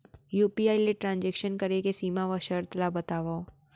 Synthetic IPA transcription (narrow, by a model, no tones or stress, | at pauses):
juːpiaːileʈɾãːnd͡ʒɛːkʃənkəɾekesiːmaʋəʃəɾt̪labət̪aːʋao